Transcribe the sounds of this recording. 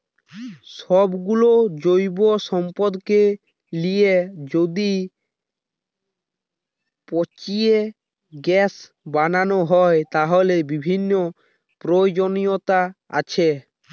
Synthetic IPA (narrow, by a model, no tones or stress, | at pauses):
ʃɔbɡulod͡ʑojboʃɔmpod̪ke | lied͡ʑod̪i | pɔt͡ɕie | ɡɛs | bananoɦɔet̪aɦolebibʱinːo | pɾood͡ʑonijot̪aa̰t͡ɕʰe